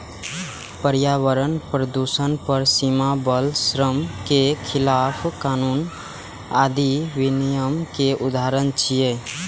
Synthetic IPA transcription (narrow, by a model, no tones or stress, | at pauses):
pəɾjaʋəɾənpɾəd̪usənpəɾsimabəlsɾəmkekʰɪlapʰkaːnun | ad̪iʋinijəmkeʔud̪aɾənt͡ʃʰije